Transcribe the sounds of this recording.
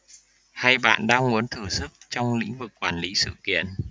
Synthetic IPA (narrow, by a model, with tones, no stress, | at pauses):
ha˧jɓa̰ː˧˨nɗaː˧ŋmu˨˦ənt̪ʰɨ˧˩sɨ˦˥k̚t͡ɕɔ˧wŋ͡mlḭ˧˥ŋ̟vɨ˨˩kːwaː˨˩nli˨˦sɨ̰˧˨kḭ˧˨ən